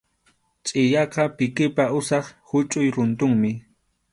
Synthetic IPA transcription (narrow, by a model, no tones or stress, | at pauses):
t͡ʃʼɪjɑqɑpɪkɪpaʊsɑχhʊt͡ʃʼʊjɾʊnt̪ʊŋmɪ